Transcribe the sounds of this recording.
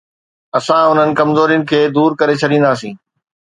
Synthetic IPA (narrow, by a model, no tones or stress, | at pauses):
ɐsãʊn̤ənɪ̆kɐmzoːɾijʊnɪ̆kʰeːd̪uːɾkɐɾet͡ɕʰɐɗĩːn̆d̪aːsĩː